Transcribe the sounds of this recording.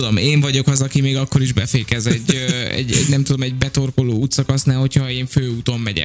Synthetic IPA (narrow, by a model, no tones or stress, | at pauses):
ud̪omeːɱvɒɟo̞kɒzɒkimeːɡɒkːo̞ɾiʒbɛfeːkɛzɛɟːøɛ̰ɟɛ̰ɟnɛmt̪ud̪o̞mɛɟbɛt̪o̞rkoloːuːt̪sɒkɒsnaːlho̞cʰhɒeːɱføːuːt̪o̞mːɛɟɛ̰